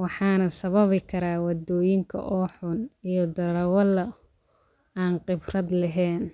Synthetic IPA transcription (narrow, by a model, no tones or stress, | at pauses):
wɑħɑːnɐsɐβɐβɪkʰɐɾaːwɑd̪ɔːjɪŋkʰɐ̰ʔɔːħʊnijɔd̪ɐɾɐwɐlɐ | aːnqɪbrɐd̪lɐɦɛːn